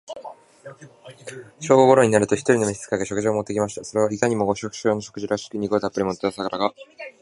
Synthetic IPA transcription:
ɕo̞ːɡoɡoɾo̞ɲ̟inaɾɯ̟t̪o̞çi̥t̪o̞ɾʲino̞mʲiçi̥t͡sɨ̥kaɡeɕo̞k̟ʑiomot̪ːe̞kʲimaɕi̥t̪aso̞ɾe̞β̞aikaɲ̟imo̞ɡo̞ɕo̞kɯ̟̥ɕo̞ːnoɕo̞kɯ̟ʑiɾaɕi̥kɯ̟ɲ̟iɡoːt̪apːɯɾʲimot̪ːeosakaɾaɡa

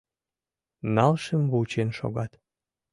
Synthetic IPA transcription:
nɑlʃəmβut͡ɕenʃo̰ɣɑt̪

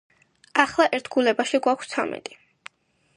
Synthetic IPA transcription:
aχlˠaʔɛɾt̪ʰɡulɛbaʃiɡwakʷʰst̪sʰa̰mɛ̰t̪ʼi̥

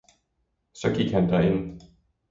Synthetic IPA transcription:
sɒ̽ɡ̥iɡ̥hænd̥æɐe̝n

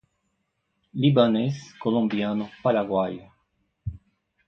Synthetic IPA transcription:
libaneskolõmbianʊpaɾaɡwaj

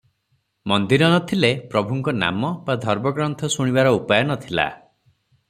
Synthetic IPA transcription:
mɔnd̪iɾɔnɔt̪ʰilepɾɔbʱuŋkɔna̰mɔbad̪ʱɔɾmɔɡɾɔnt̪ʰɔsuɽ̃ibaɾɔupajɔnɔt̪ʰila̰

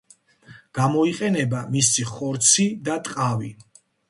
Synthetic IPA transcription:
ɡ̥amɔiqʼɛnɛbamisiχɔɾt̪sʰid̪at̪ʼqʼavi

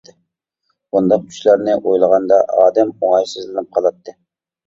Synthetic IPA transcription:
d̪ɨ | und̪ɑq̚t͡ʃʲʰy̥ʃlæɾnɪʔojlˠəʁɑnd̪ɑɑːd̪ɛmoŋɑjsɨzlɪnɪp̚qʰɑlˠɑt̪ʰːɨ

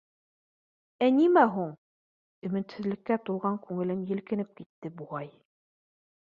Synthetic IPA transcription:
ænimæɦuɴ | ɵ̆mɘ̆t̪sɘ̆ðlɘ̆kːæt̪ulˠʁɑŋkʉŋɘ̆lɘmjɘ̆lkɘ̆nɘp̚kit̪ːɘbuʁɑj

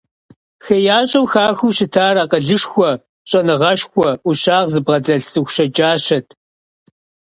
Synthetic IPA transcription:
xɐjaːɕʼɐwxaːxuːɕɪtʰaːɾɐqəɮɨʂxʷɔ | ɕʼɐnɨʁɐʃxʷɔʔuɕaːʁzɨbʁɐdɐɬsɨxʷʃɐd͡ʒʼaːʃɕɐtʰ

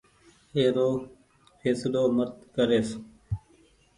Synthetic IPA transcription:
eːɾoː | fʰeːsloːmət̪̚kəɾeːs

